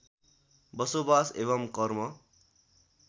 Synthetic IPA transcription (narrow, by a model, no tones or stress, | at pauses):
bʌsobaseβʌmkʌrmʌ